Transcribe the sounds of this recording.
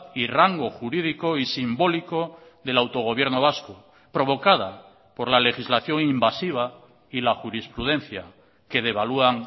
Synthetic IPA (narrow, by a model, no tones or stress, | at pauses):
iraŋɡo̞xuɾið̞ikoisimbo̞liko̞ðe̞lawt̪o̞ɣ̞o̞βje̞ɾno̞βasko | pɾo̞β̞o̞kaða | po̞ɾlale̞xizlaθjo̞ŋimbasiβ̞a | ilaxuɾispɾuð̞ẽ̞n̟θja | ke̞ðe̞βaluaŋ